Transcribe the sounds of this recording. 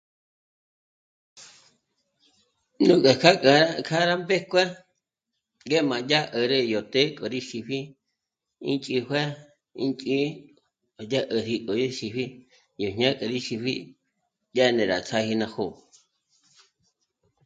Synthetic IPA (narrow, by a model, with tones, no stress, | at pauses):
nũ˦kʼe˨kʰa˦kʼkʰa˦ɾa˦mbe˦kʷɛ˦ | ŋɡe˦mã˨ja˦ʔə˨ɾə˦jo˨t̪e˦kʼo˨ɾi˦ʃi˧ɸi˦ | ḭ˦nt͡ʃʼi˧hwɛ˦ | ḭ˦nt͡ʃʼi˦˨ | ja˦ʔə˨ɾi˧kʼo˨ji˦ʃi˧ɸi˦ | jo˨ɲɲã˦kʼə˨ɾi˦ʃi˧ɸi˦ | ja˦˨nẽ˨ɾa̰˨t͡sʰa˦hi˧nã˧ho˦˨